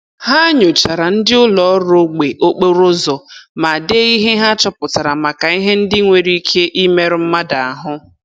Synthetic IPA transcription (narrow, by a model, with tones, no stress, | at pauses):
ha˦ɲʊ˨t͡ʃa˨ɾa˨n̩˦dɪ˦ʊ˦lɔ˨˦ɾo˦ɡ͡be˨ʔo˦k͡pe˦ɾʊ˦zɔ˨ma˨de˦i˦ɦe˦ɦa˦t͡ʃɔ˦pʊ˨ta˨ɾa˨ma˨ka˨i˦ɦe˦n̩˦dɪ˦ŋʷe˨ɾi˦kʰe˦ʔi˦me˦ɾɪ˦m̩˦ma˦da˨a˨ɦʊ˦